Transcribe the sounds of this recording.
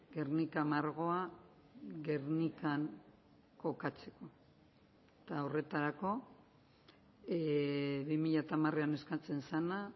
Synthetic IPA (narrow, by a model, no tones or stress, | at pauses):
ɡe̞rnikamaɾɣo̞a | ɣe̞ɾnikaŋ | ko̞kat͡se̞̥ko̞ | t̪aore̞t̪aɾako̞ | βimiʎat̪amareane̞skat͡se̞nsana